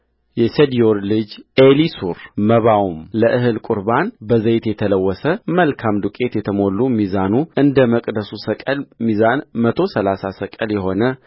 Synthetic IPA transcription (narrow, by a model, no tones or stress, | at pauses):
jɛsed̪ijoɾlɨd͡ʒelisuɾməβawumləʔɨɦɨlkʼʊɾbanbəzəjt̪jɛt̪ʰələwːəsəməlkʰamd̪ukʼe̞t̪jɛt̪ʰəmo̞lːumizanuɨnd̪əməkʼd̪əsusəkʼəlmizanmət̪ʰo̞səlasasəkʼəljɛho̞nə